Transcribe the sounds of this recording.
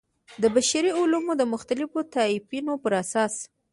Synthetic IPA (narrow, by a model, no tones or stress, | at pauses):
d̪əbaʃaɾiʊlumod̪əmʊxt̪alɪfot̪ɑɪfinopəɾasɑs